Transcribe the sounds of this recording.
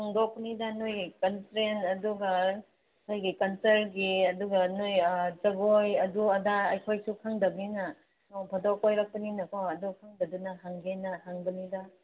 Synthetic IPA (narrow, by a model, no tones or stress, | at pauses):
haŋdok̚pɐnidɐnujkɐnsɾenɐduɡɐ | nojɡikɐnseɾɡiɐduɡɐnojd͡ʒɐɡojɐduɐdaɐjkʰojsukʰaŋdɐbinɐ | nobʱɐdɔkojɾak̚pɐninɐkoɐdukʰaŋdɐdunɐɦaŋɡenɐɦaŋdɐnidɐ